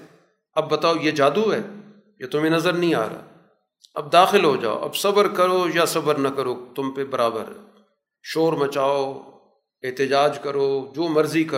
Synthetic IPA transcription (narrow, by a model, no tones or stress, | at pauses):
ɐbːɐt̪aːojeːd͡ʒaːd̪uɦɛː | jat̪ʊmẽnɐzəɾnɐɦĩa̰ːɾa̰ː | ɐ̰b̚d̪aːxɪlɦoːd͡ʒa̰ːo̰ʔɐ̰bsɐbəɾkɐɾoːjasɐbəɾnɐkɐɾoːt̪ʊmpebɐɾaːbə̰ɾ | ʃoːɾmɐt͡ʃaːo | eɦt̪ɪd͡ʒaːd͡ʒkɐɾoːd͡ʒoːmɐɾzikɐ